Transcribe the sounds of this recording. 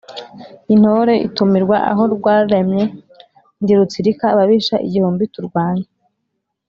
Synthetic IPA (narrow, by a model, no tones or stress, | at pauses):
in̥hoɾe̞ḭtumiɾɡwaʔa̰ɦo̞ɾɡwaːdamɲe̞ | ndiɾut͡siɾikaːβaβiːʃaʔḭɟihuːmbituɾɡwaːɲa